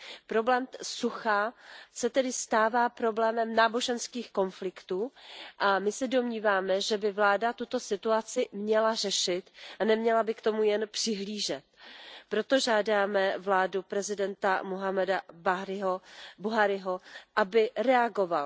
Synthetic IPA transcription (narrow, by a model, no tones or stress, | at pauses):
pɾo̞blɛːmsuxasɛt̪ɛdɪst̪aːvaːpɾo̞blɛːmɛmnaːbo̞ʒɛnskiːxko̞nflɪkt̪uːʔamɪsɛdo̞mɲiːvaːmɛʒɛbɪvlaːdat̪ut̪o̞sɪt̪uat͡sɪmɲɛlar̝ɛʃɪt̪ʔanɛmɲɛlabɪkt̪o̞mujɛnpr̥ɪɦliːʒɛt̪̚pɾo̞t̪o̞ʒaːdaːmɛvlaːdupɾɛzɪdɛnt̪amuɦamɛdabaɦɾɪɦobuɦaɾɪɦo̞ʔabɪɾɛaɡo̞val